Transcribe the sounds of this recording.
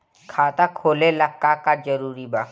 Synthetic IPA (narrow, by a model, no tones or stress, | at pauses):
kʰaːt̪akʰoːleləkːakad͡ʒəɾuːɾibaː